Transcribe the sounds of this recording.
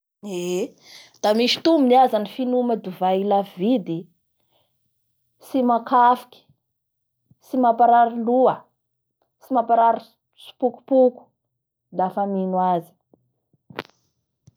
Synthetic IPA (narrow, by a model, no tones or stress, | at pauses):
e | d̪̥amiʃi̥t̪uminiazanifinumad̪uvailavid̪i | simakʰafi̥kʲi̥ | simapaɾaɾiluə | simapaɾaɾi | su̥puku̥puku̥ | lafaminwazi̥